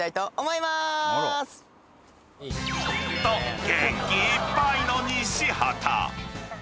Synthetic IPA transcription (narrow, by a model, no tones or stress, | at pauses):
t̪ait̪o̞ːmo̞imas | t̪oɡẽŋkʲiːpːainoɲĩɕiha̰t̪ʰa̰